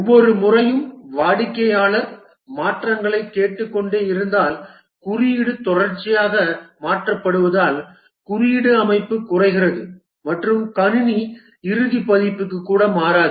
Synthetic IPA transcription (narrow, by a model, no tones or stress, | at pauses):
ɔʋːɔɾɯmʊrɐjɯmʋaːɽɪkːɐjaːɭɐɾ | maːʈrɐŋɡɐɭɐɪkːeːʈːɯkːɔɳɖeːɪɾɯnd̪aːl | kʊɾɪjɪɽɯt̪ɔɽɐɾt͡ʃːɪjaːɣɐmaːʈrɐpːɐɽɯʋɐðaːl | kʊrɪjɪɽɯɐmɐɪpːɯkːʊrɐɪɣɪrɐðɯ | mɐʈrɯmkɐnɪni | ɪɾɯðipːɐðɪpːɯkːɯkːuːɽɐmaːɾaːðɯ